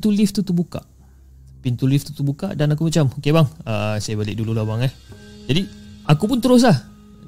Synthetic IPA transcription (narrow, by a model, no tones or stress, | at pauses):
t̪ulift̪ut̪ubuka̰ʔ | pint̪ulift̪ut̪ubuka̰ʔdanak̬umat͡ʃamokebaŋəsajabalɪ̰ʔ̚dululabaŋahd͡ʒadiakup̬unt̪əɾʊs̬lah